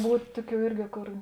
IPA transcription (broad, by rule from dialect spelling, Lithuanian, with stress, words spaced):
ˈbuːtʲ ˈtʊˌkʲuː ˈɪrʲɡʲɪ ˈkoːr